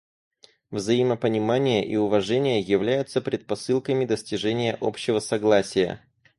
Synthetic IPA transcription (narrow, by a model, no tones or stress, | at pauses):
vzɐiməpənʲɪmanʲɪjəʔiʊvɐʐɛnʲɪjəjɪvlʲæjʊt̪səpɾʲɪt̪̚pɐsɨlˠkəmʲɪd̪əsʲtʲɪʐɛnʲɪjəʔopɕːɪvəsɐɡlˠasʲɪjə̰